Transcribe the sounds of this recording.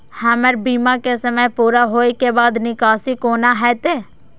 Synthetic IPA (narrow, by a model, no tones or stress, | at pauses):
həməɾbiːmãkesəməpuːɾaɦoːikebaːd̪nɪkaːsikoːnaɦɛt̪eː